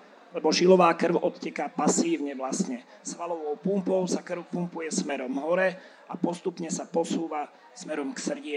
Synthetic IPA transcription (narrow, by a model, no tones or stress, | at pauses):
lɛbɔʒilɔʋaːkr̩ʊɔt̪cɛkapasiːʊɲɛʋlasɲɛ | sʋalɔʋɔʊpumpɔʊsakr̩ʋʊpumpujɛsmɛɾɔmɦɔɾɛ | apɔst̪upɲɛsapɔsuːʋa | smɛɾɔmksr̩ɟɪɛ